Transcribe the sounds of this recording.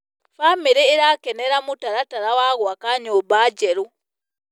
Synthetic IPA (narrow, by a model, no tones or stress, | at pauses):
famiɾiːɾakeneɾamutaɾataɾawaɣuakaɲobaːɟeɾu